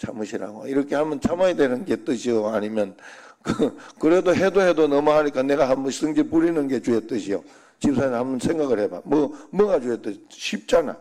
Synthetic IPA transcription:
t͡ɕʰa̰mɯɕʰiɾa̰ɡoiɾʌkʰe̞hamʌnt͡ɕʰamaidwe̞nɯnɡe̞t͈ɯɕʰioaɲimjʌnkɯkɯɾedoɦedoɦe̞donʌmʌɦaɲik͈ane̞ɡaɦamus͈ʰɯŋd͡ʑipuɾinɯnɡe̞t͡ɕuet͈ɯɕʰio | t͡ɕip̚sʰahambʌnsʰeŋɡaɣɯɭheba̰mwʌmʌɡad͡ʑuet͈ɯɕiɕʰip̚t͡ɕ͈ana̰

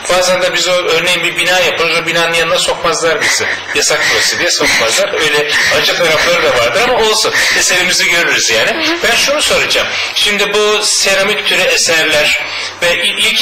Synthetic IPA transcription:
baːzand̪abizoøɾnejimbibinaːjapʰɯlˠɯzobinaːnɯnjannd̪aso̞kmazlˠaɾbisɪ | jasak̚t̪ʰuɾasɯd̪ijɛso̞kmazlˠaɾøjlʲɛad͡ʒɯk̚t̪ʰaɾaflˠaɾɯd̪avaɾd̪ɯɾamao̞lˠsunese̞ɾimiziɟø̞ɾyɾyzjaːnɪbænʃunuso̞ɾad͡ʒam | ʃimd̪ibuse̞ɾamict̪ʰyɾyesæɾlʲæɾ̥ | vɛʔiic

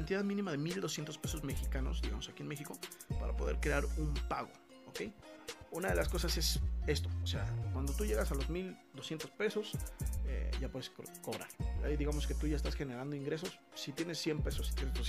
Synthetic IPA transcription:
ant̪iðaðmĩnĩmaðemild̪o̞sje̞nt̪o̞spe̞so̞zme̞xikano̞̰zðiɣamo̞sakie̞nmexiko̞pa̰ɾa̰po̞ðe̞̰ɾkɾe̞aɾumpaɣo̞̰ | oke̞junaðelasko̞sase̞se̞st̪o̞oseakwand̪o̞t̪uʝe̞ɣasalo̞zmild̪o̞sje̞nt̪o̞spe̞so̞sḛɟ͡ʝapwe̞ðeskoko̞βɾa̰ɾa̰iðiɣamo̞ske̞t̪uʝaes̬t̪asxe̞ne̞ɾand̪oiŋɡɾe̞s̬o̞sːit̪je̞ne̞sːje̞mpe̞sosi̥t̪jenezd̪os

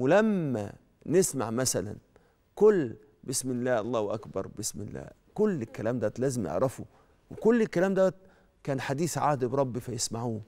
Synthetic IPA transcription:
welæmːæ̰ | nesma̰ʕmæsælæ̰n | kʊlː | bɪsmɪlːæːʔɑlˤːɑːhwʔækbɑɾˤbɪsmɪ̰lːæ̰ː | kʊlːɪlkːælæːmd̪æt̪læːzɪmjḛʕɾˤɑfo | wekʊlːɪlkːælæːmd̪æwæt̪̚ | kæːnħad̪iːθʕaːhd̪bɾˤɑbːifæjesmaʕuː

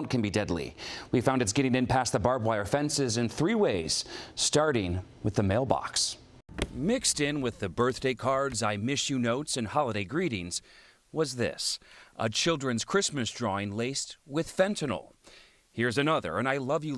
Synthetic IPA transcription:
nkʰɨ̃n̩bidɛdˡlḭwifãʊ̃ndɨts̬ɡ̥ɛɾɪ̃ŋɨ̃npʰæs̚ðəbɑɹbwaɪə˞fɛ̃nsɪzɨ̃nθɹiweɪz̥stɑɹɾɪ̃ŋwɨðɨmeɪlˠbɑ̰ks | mɪkstɪ̃nwɨðɨbɜ˞θd̥eɪkʰɑɹdzaɪmɪʃɨnoʊtsɨ̃nhɑlˠəɾeɪɡɹiɾɪ̃ŋz̥ | wʌzðɪ̰sʔə̰t͡ʃʰɪlˠdɹɨ̃nz̥kʰɹ̥ɪsmɨsdɹɔɪ̃nleɪst̚wɨð̥fɛ̃ntʰɨnl̩ˠ | hiɹzɨnʌðə̰˞ɨ̃naɪlʌvjɨ

